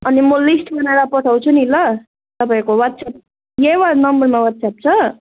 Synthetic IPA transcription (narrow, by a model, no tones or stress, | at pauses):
ʌnimʌlisʈbʌnaeɾapʌʈʰʌw̃t͡sʰunilʌ | t̪ʌpaĩkowat̪̚sʰap̚ | jewanʌmbʌrmawat̪̚sʰap̚t͡sʰʌ